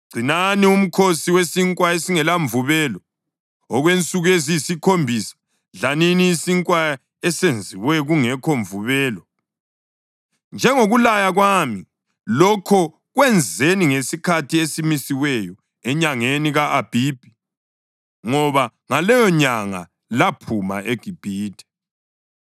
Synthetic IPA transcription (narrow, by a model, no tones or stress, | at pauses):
ɡ͡ǀ̥ʱinanium̩kʰosiwesiŋkʼwaesiŋɛlaɱvuβɛlɔ | ɔɣwent͡sʼuɣujezijsikʰombʱisḁ | ɮaniniːsiŋkʼwa | ɛsend͡zʱiwɛɣuŋɛkʰɔɱvuβɛːlɔ | nd͡ʒʱɛŋoɣulajaɣwami | lɔkʰɔ | ɣwɛnd͡zʱeniŋesikʰatʰiesimisiwɛjɔ | ɛɲaŋeniɣaʔab̥ʱib̥ʱi | ŋɔβaŋalɛjɔɲaŋa̰ | lapʰuma̰eɡ̥ʱib̥ʱiːtʰʼɛ̥